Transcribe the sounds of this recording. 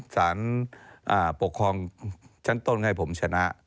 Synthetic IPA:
saː˩˦nʔaː˧˩po˨˩kʰːɾɔː˧ŋt͡ɕʰa˦˥nt̪o˧˨nŋa˧˩jpʰo˩˦mt͡ɕʰa˧na˦˥ʔ

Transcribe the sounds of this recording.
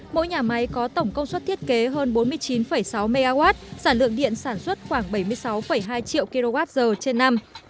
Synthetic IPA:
mo̰˧˥jɲaː˨˩ma˨˦jkɔ˨˦t̪ə˧˩wŋ͡mkə˧wŋ͡mswə˦˥t̚t̪ʰi˦˥ət̚ke˨˦ɦəː˧nɓo˨˦nmɨ˧əjt͡ɕi˨˦nfə˧˩jsa˨˦wme˧ɣaː˧ɣwaː˦˥t̚saː˧˩nlɨ̰˧əŋɗḭ˧˨ənsaː˧˩nswə˦˥t̚xwaː˧˩ŋɓə˧˩jmɨ˧əjsa˨˦wfə˧˩jɦaː˧jt͡ɕḭ˧˨wki˧lo˧ɣaː˦˥t̚zəː˨˩t͡ɕe˧nːa˧m

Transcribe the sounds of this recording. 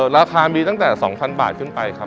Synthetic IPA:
ɾaː˧kʰaː˧miː˧t̪a˥˩t̪ɛː˨˩sɔ˩˦ŋpʰa˧nba̰ː˨˩t̪̚kʰɯ˥˩npa˧jkʰa˦˥

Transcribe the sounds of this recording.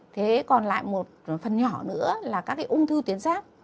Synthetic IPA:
t̪ʰe˨˦kɔ˨˩nla̰ː˧˨jmo˨˩t̚fə˨˩nɲɔ˧˩nɨ̰˧˥əlaː˨˩kaː˦˥kːaː˨˦ʔʊ˧ŋ͡mt̪ʰɨ˧t̪i˨˦ənsaː˦˥k̚

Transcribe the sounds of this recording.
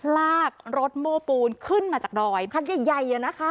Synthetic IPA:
laː˥˩k̚ɾo˦˥t̪̚moː˧˩puː˧nkʰɯ˥˩nmaː˧t͡ɕaː˨˩k̚dɔː˧jkʰa˧˥˩ja˨˩jːa˨˩jaː˨˩na˦˥kʰa˦˥

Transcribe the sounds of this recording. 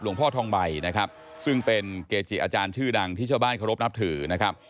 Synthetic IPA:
lu˩əŋpʰɔː˥˩t̪ʰɔː˧ŋba˧jna˦˥kʰɾa˦˥p̚ | sɯ˥˩ŋpe˧nkeː˧t͡ɕʰi˨˩ʔaː˧t͡ɕaː˧nt͡ɕʰɯː˥˩da˧ŋt̪ʰiː˥˩aː˥˩baː˥˩nkʰa˧wɾo˦˥p̚na˦˥p̚t̪ʰɯː˩˦na˦˥kʰɾa˦˥p̚

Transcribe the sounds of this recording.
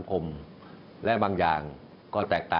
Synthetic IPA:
a˩˦ŋkʰo˧m | lɛ˦˥baː˧ŋjaː˨˩ŋ | kɔː˥˩t̪ɛː˨˩k̚t̪aː˨

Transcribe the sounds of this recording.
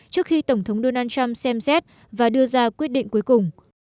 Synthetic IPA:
t͡ɕɨ˦˥k̚xi˧t̪ə˧˩wŋ͡mt̪ʰə˨˦wŋ͡mɗo˧naː˧nt͡ɕa˧msɛ˧msɛ˦˥t̚ | vaː˨˩ɗɨ˧əzaː˧kwi˦˥t̚ɗḭ˧˨ŋ̟ku˨˦jkʊ˨˩ŋ͡m

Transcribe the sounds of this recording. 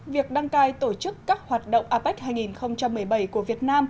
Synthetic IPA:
vi˨˩ək̚ɗa˧ŋkaː˧jt̪o˧˩t͡ɕɨ˦˥kːaː˦˥k̚hwaː˨˩t̚ɗə̰˧˨wŋ͡mʔaː˧pːa˦˥k̟̚haː˧jŋi˨˩nxə˧wŋ͡mt͡ɕa˧mːɨ˨˩əjɓə˧˩jku˧˩əvi˨˩ət̚naː˧m

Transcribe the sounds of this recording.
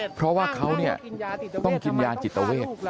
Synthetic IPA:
pʰɾɔ˦˥waː˥˩kʰa˦˥wni˥˩ɐt̪ɔ˥˩ŋki˧njaː˧nt͡ɕi˨˩t̪ːa˧weː˥˩t̪̚

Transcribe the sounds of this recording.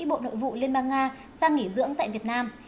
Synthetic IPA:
ɓo̰˧˨no̰˧˨jvṵ˧˨li˧ənɓaː˧ŋːaː˧ | saː˧ŋi˧˩zɨ̰˧˥əŋt̪a̰ː˧˨jvi˨˩ət̚naː˧m

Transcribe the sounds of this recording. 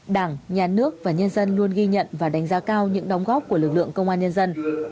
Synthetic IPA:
ɗaː˧˩ŋɲaː˨˩nɨ˦˥ək̚vaː˨˩ɲə˧nzə˧nlu˧ənɣi˧ɲə̰˧˨nvaː˨˩ɗa˨˦jŋ̟zaː˨˧˦kaː˧wɲɨ̰˧˥ŋɗɔ˨˦wŋ͡mɣɔː˦˥p̚ku˧˩əlɨ˨˩k̚lɨ̰˧˨əŋkə˧wŋ͡mʔaː˧nɲə˧nzə˧n

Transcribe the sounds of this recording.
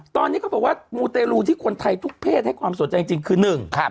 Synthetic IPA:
t̪ɔː˧niː˦˥kɔː˥˩bɔː˨˩k̚waː˥˩muː˧t̪eː˧luː˧t̪ʰiː˥˩kʰo˧nt̪ʰa˧jt̪ʰu˦˥k̚pʰeː˥˩t̪̚ha˥˩jkʰwaː˧mso˩˦nt͡ɕa˧jt͡ɕi˧ŋkʰɯː˧nɯ˨˩ŋkʰa˦˥˩

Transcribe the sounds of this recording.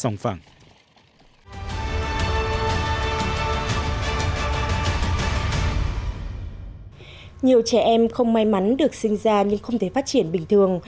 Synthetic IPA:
sa˧wŋ͡mfa̰ː˧˩ŋ | ɲi˨˩əwt͡ɕɛ˧˩ʔɛ˧mxə˧wŋ͡mma˧jma˨˦nɗɨ˨˩ək̚sï˧ŋ̟zaː˧ɲɨ˧ŋxə˧wŋ͡mt̪ʰe˧˩faː˦˥t̚t͡ɕi˧˩ənɓï˨˩ŋ̟t̪ʰɨ˨˩əŋ

